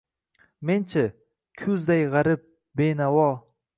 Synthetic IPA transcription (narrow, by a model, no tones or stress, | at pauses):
ment͡ʃʰɪ | kʲʰʊzd̪ajʁɑɾɪp̚ | benawɒ